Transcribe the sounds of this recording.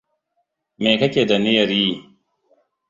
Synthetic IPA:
meː˨kɐ˦kʲeː˨da˨nɪ˦jɐ˨ɾjiː˦

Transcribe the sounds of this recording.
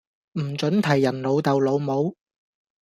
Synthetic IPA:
m̩˨˩t͡ʃɵ˨˥nt̪ʰɐ˨˩jːɐ˨˩nlo˨˧wt̪ɐ˨wlo˨˧wmo˨˧˥w

